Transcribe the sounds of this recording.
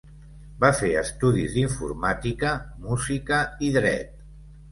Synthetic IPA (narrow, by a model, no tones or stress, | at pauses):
bafeəst̪uðizðiɱfṵɾmat̪ikəmuzikəiðɾɛ̰t̪̚